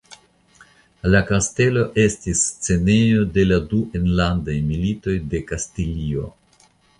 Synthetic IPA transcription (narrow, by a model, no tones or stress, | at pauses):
lakaste̞lo̞ʔe̞stist͡se̞ne̞jo̞de̞laduʔenlandajmilito̞jde̞kastilio̞̰